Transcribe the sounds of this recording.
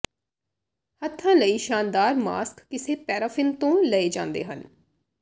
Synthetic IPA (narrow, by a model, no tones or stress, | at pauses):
hət̪ʰːãːləiːʃaːnd̪aːɾma̰ːskːɪseːpɛːɾaːfʰɪnt̪õːləeːd͡ʒã̰ːnd̪ḛːɦə̰n